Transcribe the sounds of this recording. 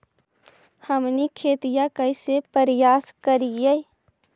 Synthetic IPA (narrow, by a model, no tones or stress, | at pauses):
həmnikʰeːt̪ijãkəisepəɾjaːskəɾije